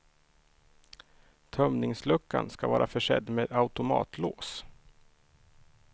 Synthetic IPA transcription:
t̪ʰœmnɪŋslɵkːa̰nskavɑːɾʔafœʂɛd̪ːmeːd̪aʊt̪ʊmɑ̰ːt̪ʰloːs

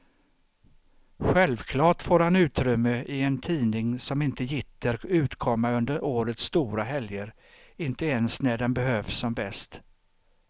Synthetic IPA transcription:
ɧɛlvkʰlɑːʈfoːɾhanʉ̟ːt̪ɾʏmːəʔɪɛnt̪ʰiːnɪŋsɔmɪnt̪əjɪt̪ːəɾʉ̟ːt̪kʰɔmːaɵnd̪əɾoːɾət̪st̪uːɾaɦɛljəɾ | ɪnt̪əeːnsnæɖɛnbɛhøːfsːɔmbɛst̪

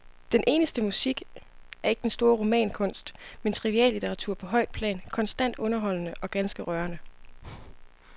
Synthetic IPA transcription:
d̥enʔe̝ːnəsd̥əmusiɡ̥æɐe̝ɡ̥ə̥d̥ensd̥o̝ːɐʁomɛ̰ːnkʰɔ̽n̰sd̥mensʰʁiʋiɛ̰ːlːit͡sʰeʁɑ̈t͡sʰuɐ̰pʰɒ̽ɦɒ̽ɪ̰d̥̚pʰlɛ̰ːnkʰɒ̽nsd̥æn̰d̥ɔ̽nɐɦɒ̽l̰nəʔɒ̽ɡ̥ænsɡ̥əʁɶɐnə

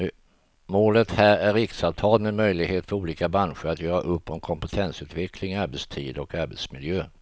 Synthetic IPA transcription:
moːlət̪hæːɾæɾɪksavt̪ʰɑːlmɛnmœjlɪɡheːt̪fœɾuːliːkabɾanɧəɾat̪ʰjœːɾa̰ʔɵpːɔmkʰɔmpɛt̪ʰɛnsʉ̟ːt̪vɛkʰlɪŋaɾbɛt̪st̪ʰiːd̪ɔkaɾbɛt̪smɪljøː

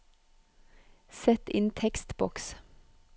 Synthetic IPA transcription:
sɛt̪ɪnt̪ʰɛkst̪bɔks

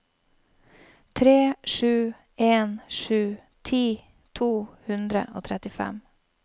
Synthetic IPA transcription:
t̪ʰɾeːʂʉː | eːnʂʉː | t̪ʰiː | t̪ʰuːhʉnd̪ɾə̰ʔo̰ːt̪ʰɾɛt̪ɪfɛ̰m

